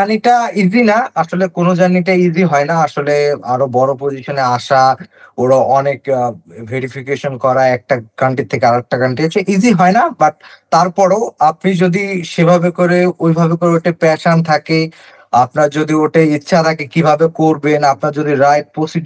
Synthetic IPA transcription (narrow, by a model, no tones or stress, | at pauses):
aniʈaid͡ʑʱinaaʃolekonod͡ʑanːiʈ̬aid͡ʑʱiɦɔenaaʃoleaɾobɔɾop̬od͡ʑiʃoneaʃaoɾoʔɔnekvʱeɾifʰikeʃonkɔɾaɛk̚ʈakaɳʈit̪ʰːekeaɾek̚ʈakaɳʈiat͡ɕʰeʔid͡ʑiɦɔenabaʈt̪aɾpɔɾoapnid͡ʑod̪iʃebʱabekoɾeojbʱabekoɾeoʈepɛʃant̪ʰake | ap̚naɾd͡ʑod̪ioʈeitːɕʰat̪ʰakekibʱabekoɾbenapnaɾd͡ʑod̪iɾajʈ̚posi